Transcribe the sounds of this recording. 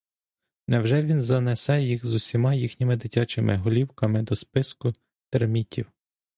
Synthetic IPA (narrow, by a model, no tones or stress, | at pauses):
nɛwʒɛʋʲinzɐnɛsɛjixzʊsʲimɑjixnʲimɪd̪ɪtʲɑt͡ʃɪmʔɪɦɔlʲiwkɐmɪd̪ɔspɪskʊ | t̪ermʲitʲiw